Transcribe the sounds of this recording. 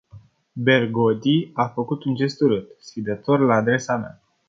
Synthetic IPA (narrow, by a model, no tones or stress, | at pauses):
be̞rɡod̪iafəkut̪und͡ʒe̞st̪uɾɨt̪sfid̪ət̪o̞rlaːd̪ɾe̞sama̰